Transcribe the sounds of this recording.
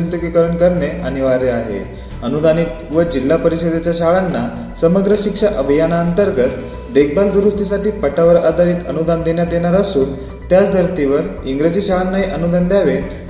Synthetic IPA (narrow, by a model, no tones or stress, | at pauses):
ənt̪ukikəɾuɳkəɾɳeañiʋaɾeaɦḛ | ənud̪ʱaniːt̪ʋəd͡ʑilːapəɾiɕəd̪et͡ɕjaɕaɭanːa | səməɡɾəɕikʂaʔəbʱijanaənt̪əɾɡət̪ | d̪ek̚bald̪uɾust̪is̬aʈiːpəʈaʋəɾad̪ʱaɾiːt̪ənud̪ʱand̪eɳjat̪jeɽ̃aɾəsuːn | t̪jat͡sd̪ʱəɾt̪iʋəɾiŋɡɾed͡ʑiːɕaɭanːaɦiʔənud̪ʱand̪jaʋe